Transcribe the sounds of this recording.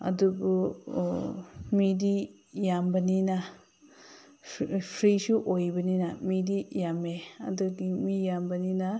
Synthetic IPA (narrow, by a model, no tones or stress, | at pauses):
ɐ̰dubu | midi | jambɐnina | pʰɾisuʔojbɐninɐmidijameɐ̰duɡimijambɐninɐ